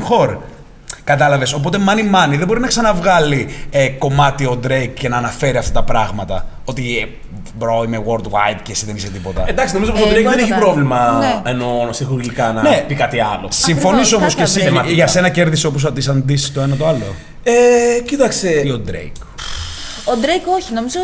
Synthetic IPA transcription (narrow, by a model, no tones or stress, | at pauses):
xo̞ɾ | kɐt̪ɐlɐve̞so̞p̬o̞t̪e̞mɐnimɐniðebo̞ɾinɐksɐnɐvɣɐlieko̞mɐt̪io̞d̪ɾejkcenɐːnɐfe̞ɾiɐft̪ɐt̪ɐpɾɐɣmɐt̪ɐ | o̞t̪i | bɾoimewoɾd̪wa̰jd̪cesiðeniset̪ipo̞t̪ɐend̪ɐksino̞mizopost̪od̪ɾejkðeneçipɾo̞vlimɐenonɐsixuɾilikɐnɐnepikɐt̪iɐlo̞siɱfo̞niso̞moskesiemɐʝɐse̞nɐce̞ɾðiseo̞p̬os̬ɐd̪isɐnd̪isit̪oe̞nɐt̪o̞ɐlo̞ | ecit̪ɐkseod̪ɾḛjk | od̪ɾejko̞çino̞mizo